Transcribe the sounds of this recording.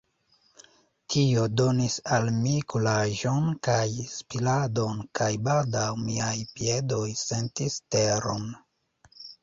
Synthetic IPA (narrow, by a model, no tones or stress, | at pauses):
tʰio̞do̞nisalmikulaʒo̞nkajspilado̞nkajbaldawmiajpie̞do̞jse̞ntiste̞ɾo̰n